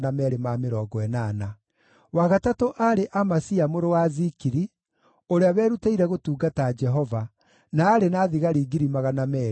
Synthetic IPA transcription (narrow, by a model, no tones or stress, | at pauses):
namɛɾemameɾɔːɡɔɛnaːna | waɣatatoʔaɾeʔamasiamoɾowazikiɾi | oɾeawɛːɾutaiɾɛɣotuːɡatad͡ʒɛɦɔva | naːɾenaːðiɣaɾiːɡiɾimaɣanamɛ